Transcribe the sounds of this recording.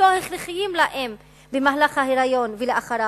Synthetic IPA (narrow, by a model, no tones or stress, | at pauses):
oheχɾiχijimlaʔem | bemaɦalaχhaheɾajo̞nveleaχaɾa